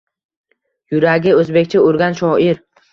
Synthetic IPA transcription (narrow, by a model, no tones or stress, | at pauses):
jʊɾaɡʲɪɵzbe̞kʲt͡ʃʰɪʊɾɡʲanʃɒɪɾ